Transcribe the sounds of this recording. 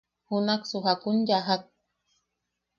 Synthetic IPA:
hʊnaksʊɦakʊnjaɦak̚

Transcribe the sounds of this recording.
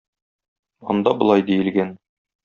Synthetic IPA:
ɒ̰nd̪ɑbŏlˠɑjd̪ijɘ̆lɡæn

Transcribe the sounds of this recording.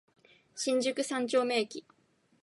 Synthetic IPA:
ɕĩɲ̟d͡ʑɨkɯ̟sãɲ̟t͡ɕo̞ːme̞ːkʲi

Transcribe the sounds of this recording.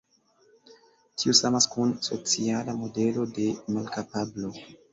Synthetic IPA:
tʰiosamaskunsot͡sialamo̞de̞lo̞de̞malkapablo̞

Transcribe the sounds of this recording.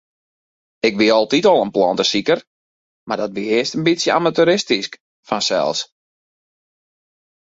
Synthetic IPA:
ɪkʋiɔlˠtitɔlˠənplɔntəsikər | mardɔtʋiɪəstənbitsjəamatuɾɪstisk | fansɛ̰lˠs

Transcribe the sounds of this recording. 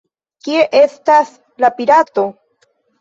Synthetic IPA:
kie̞ʔe̞stas | lapiɾato̞

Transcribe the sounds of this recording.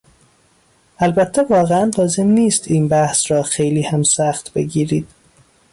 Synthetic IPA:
ʔælbæt̪ʰːevɒːɣeænlɒːze̞mniːst̪iːnbæhsɾɒːxejliːhæmsæxt̪bḛɡiːɾiːd̪̥̚

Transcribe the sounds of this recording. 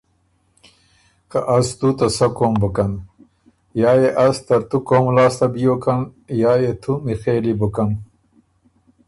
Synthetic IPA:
kaʔɐst̪ut̪ɐsɐkoːmbəkɐn | jaːjeʔɐst̪ɐɾt̪ukoːmlaːst̪ɐbijoːkɐnjaːjet̪ʰumixeːlibukɐn

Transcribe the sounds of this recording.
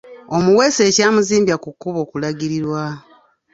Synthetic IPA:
o̞muwe̞ːse̞ːcaːmuziːmbjakukːuβo̞ːkulaɟiɾiɾwa

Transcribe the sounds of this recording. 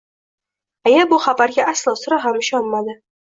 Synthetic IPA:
ajabʊχabaɾɡʲaʔaslˠɒsʊɾaɦamɪʃɒnmad̪ɪ

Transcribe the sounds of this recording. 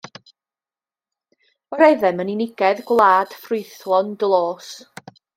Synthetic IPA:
wəɾejðɛməninɪɡ̥ɛðɡwlˠaːd̥frʊjθlˠɔndlˠoːs

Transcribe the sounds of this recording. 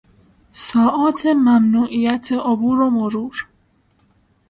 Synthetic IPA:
sɒːʔɒːt̪ʰemæmnuːʔiːjæt̪ʰeʔobuːɾomoɾuːɾ

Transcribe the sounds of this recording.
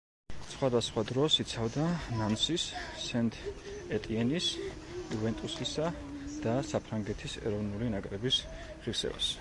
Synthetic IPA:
sχwad̪asχwad̪ɾɔsit̪sʰavd̪anansisːɛnt̪ʰʼɛt̪ʼiɛnis | uvɛnt̪ʼusisa | d̪̥asapʰɾaŋɡɛt̪ʰisɛ̰ɾɔvnulinakʼɾɛbis | ʁiɾsɛ̰va̰s

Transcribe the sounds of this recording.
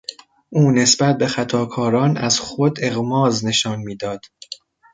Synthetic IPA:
ʔuːne̞sbæt̪̚be̞xæt̪ʰɒːkʰɒːɾɒːnæz̥xod̪e̞ɣmɒːzne̞ʃɒːnmiːd̪ɒːd̪̥

